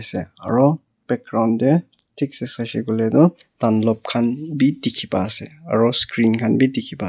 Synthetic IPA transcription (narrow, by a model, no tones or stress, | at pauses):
sea̰ɹɔ | b̥ɛk̚ɡɾawnde | tʰik̚sesajseɡɔledɔ | tanlɔp̚kʰanbitikʰibasḛa̰ɹɔskɾinkʰanbitikʰiba